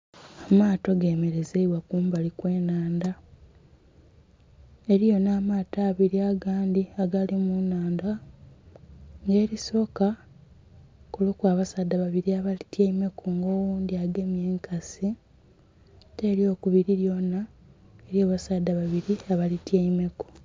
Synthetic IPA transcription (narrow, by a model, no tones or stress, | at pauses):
amaːto̞ɡe̞ːme̞ɾe̞zeiβwakuːmbalikwe̞ːnaːnda | e̞ɾijo̞naːmaːtaːβiɾiaɡaːndiaɡalimunaːnda | ŋɡe̞ːɾiso̞ːka | kulukwaːβasaːdaβaβiɾiaβalitjeime̞kuŋɡo̞ːwuːnd̪iaɡe̞mje̞ːŋkʰasi | teːɾjo̞ːkuβiɾiɾjo̞na | eɾjoːβasadːaβaβiɾiaβalitjeime̞ko̥